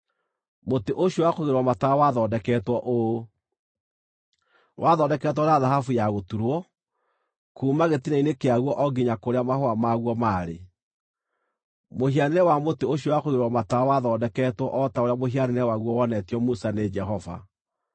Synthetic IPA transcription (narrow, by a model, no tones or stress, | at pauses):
moteʔoɕjowakoɣeɾwamatawaðɔːdɛkɛtwɔʔo | wʔaðɔdɛkɛtwɔɾeaðahafujaɣotuɾwɔ | kuːmaɣetinainekeaɣwɔʔɔɡiɲakoɾeamahoamaɣwɔmaɾḛ | mohianɛwamoteoɕɔwakoɣeɾwamatawaðɔdɛkɛtwɔʔɔtaoɾjamohianenɛwaɣwɔwɔnɛtjɔmusaned͡ʒɛɦɔva̰